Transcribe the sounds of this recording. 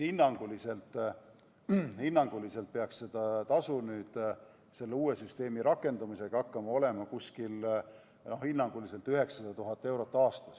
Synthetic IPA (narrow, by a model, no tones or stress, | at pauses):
hinːɑŋɡ̥ulise̞lt̪ˑ | hinːɑŋɡ̥ulise̞lt̪̚peɑksse̞d̪̥ɑt̪ɑsunyːd̪̥ | se̞lːeuːe̞syst̪e̞ːmiɾɑkːˑe̞nd̪̥umise̞ɡ̥ɑɑkːɑmɑo̞le̞mɑkuskil | no̞hinːɑŋɡ̥ulise̞lt̪ːˑyɦe̞ksɑd̪ɑt̪uɦɑt̪ːe̞wɾo̞t̪ːˑɑːst̪ɑ̥s